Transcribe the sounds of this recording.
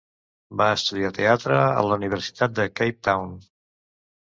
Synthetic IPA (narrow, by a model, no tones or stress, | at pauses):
baəst̪uðiat̪eat̪ɾəə̰ləuniβ̞əɾsi̥t̪at̪̚d̪əkejp̚t̪awn